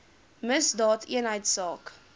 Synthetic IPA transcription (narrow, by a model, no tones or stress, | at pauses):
məsdɑːtʰiənɦəjtsɑːk